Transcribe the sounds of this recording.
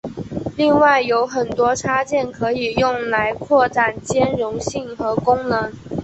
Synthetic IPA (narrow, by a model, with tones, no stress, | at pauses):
li˥˧ŋwa˥˩ɪjo˧˥ʊxə˨˩nt̪wɔ˥ʈ͡ʂʰa˥t͡ɕjɛ˥˩nkʰɤ˧˥i˨˩jʊ˥˩ŋla˧˥ɪkʰwɔ˥˩ʈ͡ʂa˨˩nt͡ɕjɛ˥nɻʊ˧˥ŋɕi˥˩ŋxɤ˧˥kʊ˥ŋnɤ˧˥ŋ